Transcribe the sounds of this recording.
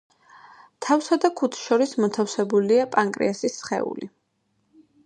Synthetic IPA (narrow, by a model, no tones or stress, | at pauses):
t̪ʰafsad̪akʰut̪ʰʃɔɾismɔt̪ʰafsɛbuliapʼaŋkʼɾḭasisχɛ̰ṵli